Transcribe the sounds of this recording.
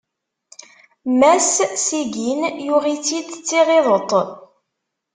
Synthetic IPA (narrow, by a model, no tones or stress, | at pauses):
mæssiɡinjʊʁit͡sːid̪t͡sːiʁeðˤət̪ˤ